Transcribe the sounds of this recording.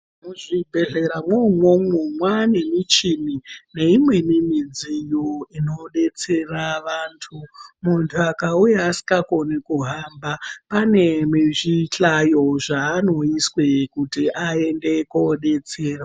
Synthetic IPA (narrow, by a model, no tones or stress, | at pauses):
muʐibʱe̞ɮe̞ɾamwomwomumwane̞mit͡ʃinine̞imwe̞nimid͡zijoino̞ɗe̞t͡se̞raʋaːntʰumuntʰuakaujaːsi̥ŋɡakonekuɦambapane̞miʐiɬajo̞ʐaːno̞iswekutiʔae̞nde̞koɗe̞t͡seːra